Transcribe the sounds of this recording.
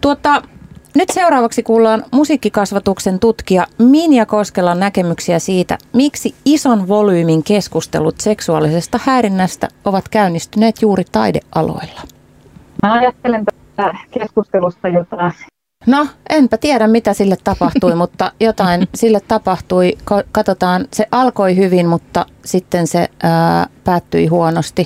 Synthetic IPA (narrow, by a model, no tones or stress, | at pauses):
t̪uot̪ɑnyt̪se̞uɾɑːʋɑksikuːlːɑːnmusiːkːikɑsʋɑt̪uksent̪ut̪kiɑminjɑkoskelːɑnækemyksiæsiːt̪æ̰miksiisonʋolyːmiŋkeskust̪ḛlut̪seksuɑlisest̪ɑhæːɾinːæst̪æ̰oʋɑt̪kæynːist̪yneːt̪juːɾit̪ɑidḛʔʔɑlo̰ilːɑ | mæɑjɑt̪ːelent̪æst̪ækeskust̪elust̪ɑjot̪ɑ | noempæt̪iæɾæmmit̪æsilːet̪t̪ɑpɑh̪uimut̪ːɑjot̪ɑinsilːet̪tːɑpɑht̪uikokɑt̪ot̪ɑːnseʔɑlkoihyʋinmut̪ːɑsit̪ːensḛəːpæːt̪ːy̰ihuonost̪i